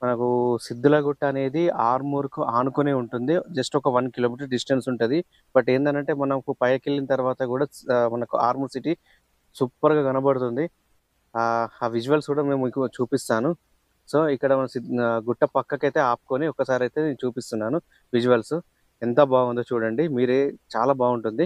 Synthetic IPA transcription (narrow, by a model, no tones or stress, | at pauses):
mɐnɐkusid̪ːulɐɡuʈːɐɐne̞ːd̪iaːɾmuːɾkuʔaːnukoneːuɳʈund̪id͡ʒɐsʈɔkɐʋɐnkilo̞ːmiʈ̬ɐɾɖisʈensuɳʈund̪i | bɐʈːeːnd̪ɐnɐɳʈe̞ːmɐnɐkupɐjɐkelːinɐt̪ɐɾʋaːt̪ɐkuːɽaːmɐnɐkua̰ːɾmusiʈi | supːɐɾɡaːɡɐnɐbɐɽut̪und̪i | ʋid͡ʒuʋɐlskuːɽaːme̞ːmukut͡ʃuːpist̪aːnu | so̞ːikːɐɽɐmɐnɐsiɡuʈːɐpɐkːɐkɐjt̪e̞ːaːpu̥koːniɔkːɐsaːɾɐjt̪e̞ːneut͡ʃuːpist̪unːaːnu | ʋid͡ʒuʋɐlsu | ent̪ɐbaːɡund̪oːt͡ʃuːɽɐɳɖimiːɾet͡ʃaːlaːbaːɡuɳʈund̪i